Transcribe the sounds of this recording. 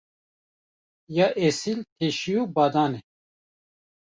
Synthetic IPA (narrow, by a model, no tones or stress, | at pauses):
jaːʔesilt̪ʰeʃijuːbɑːd̪aːnɛ